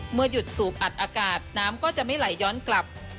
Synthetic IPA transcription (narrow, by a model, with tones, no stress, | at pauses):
mɯ˧ɐju˨˩t̪̚suː˩˦k̚ʔa˨˩t̪̚ʔaː˧kaː˨˩t̪̚naː˦˥mkɔː˥˩t͡ɕa˨˩ʔma˥˩jla˩˦jːɔː˦˥nkla˨˩p̚